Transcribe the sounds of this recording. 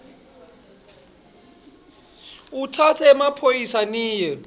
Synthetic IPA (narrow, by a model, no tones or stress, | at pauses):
utʰatʰɛːmapʰojisaniːjɛ